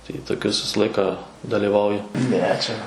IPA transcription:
tɐɪ toːˈkʲʊs ˈʋʲɪsɐ ˈlˠɐɪkɑː dɐlʲiːˈʋɐʊjʊ ˈnʲɛ ˈt͡ʃʲɛ

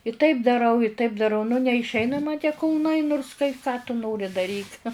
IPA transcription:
ɪ tɐɪp dɐˈrɐʊ ɪ tɐɪp dɐˈrɐʊ nʊ nʲɛɪʃʲˈɛɪnɐ mɐ tʲiɛ kʊlˠˈnɐɪ nʊrs kɐɪ kɑː tʊ ˈnoːrʲɪ dɐˈrʲiːk

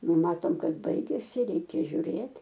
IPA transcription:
ˈnʊ ˈmɑːtoːm ˈkɐt ˈbɐɪɡʲɛsʲɪ ˈrʲɛɪkʲɛ ʒʲʊˈrʲeːtʲ

